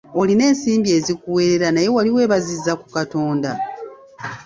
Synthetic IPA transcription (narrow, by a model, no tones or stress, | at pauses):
o̞line̞ːnsiːmbie̞ːzikuwe̞ɾe̞ɾanaje̞waliwe̞ːβazizːaku̥kato̞ːnda